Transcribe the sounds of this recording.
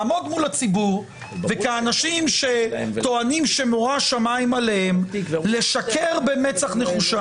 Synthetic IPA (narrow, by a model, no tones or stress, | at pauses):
mo̞dmulat͡sibuʁ | vekaːnaʃimʃe̞t̪o̞animʃe̞moʁaʃamaimalehemle̞ʃakeʁbemet͡saχne̞χuʃa